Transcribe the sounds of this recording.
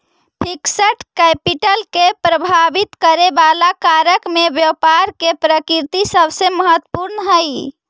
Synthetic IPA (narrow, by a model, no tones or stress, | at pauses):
pʰiksəʈkɛpiʈəlkepɾəbʱabit̪kəɾebalakaɾəkmebjəwpaɾkepɾəkiɾt̪isəbʱseməɦət̪ːpuɾnəɦəj